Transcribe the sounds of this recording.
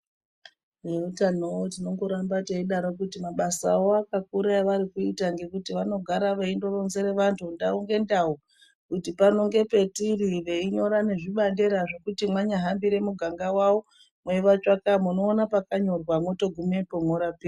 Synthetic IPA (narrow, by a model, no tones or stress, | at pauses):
we̞utanootino̞ŋɡo̞ɾambateiɗaɾok̬utimaɓasa̰o̞akak̚uɾaiʋaɾikuitaŋɡe̞kutiʋano̞ɡʱaɾaʋeindo̞ro̞nze̞ɾe̞ʋantʰundauŋɡe̞ndau | kutipano̞ŋɡe̞pe̞tiriʋe̞iɲo̞ɾane̞ʐiɓandeɾaʐo̞kutimwaɲaɦambiɾe̞muɡʱaŋɡawawo | mwe̞iʋat͡ʃakamuno̞ːnapakaɲo̞rwamwoto̞ɡʱumepoŋoɾapi